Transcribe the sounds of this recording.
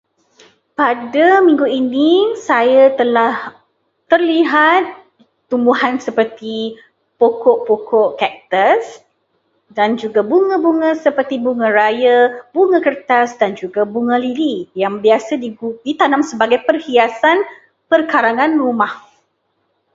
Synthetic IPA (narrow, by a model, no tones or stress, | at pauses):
padamĩŋɡuinisajat̪əlah | t̪ərliɦat̪ː | umbuhansəpərt̪i | pokɔʔpokɔʔkɛk̚t̪əs | dand͡ʒuɡabuŋə̃buŋə̃səpərt̪ibuŋə̃ɾajabuŋə̃kərt̪asdand͡ʒuɡabuŋə̃lilijaŋbiasadidit̪anãmsəbaɡajpərhiasan | pərkaɾaŋãnrumah